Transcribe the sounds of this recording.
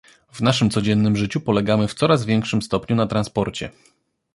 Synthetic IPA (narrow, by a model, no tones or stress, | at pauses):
vnaʂɘmt̪sɔd͡ʑɛnːɘmʐɘt͡ɕupɔlɛɡamɘft̪sɔɾazvʲjɛŋkʂɘmst̪ɔpɲunat̪ɾanspɔɾt͡ɕɛ̰